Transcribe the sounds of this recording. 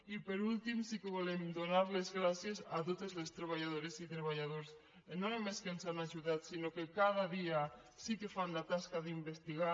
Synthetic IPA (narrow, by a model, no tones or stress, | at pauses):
ipeɾult̪imsikeβolemd̪onaɾlezɣɾasjesat̪ot̪ezlest̪ɾeβ̞aʎað̞oɾesit̪ɾeβ̞aʎaðoɾs | nõemeskensanaʒuðat̪sinokekað̞aðia | sikefanlat̪askaðimbest̪iɣa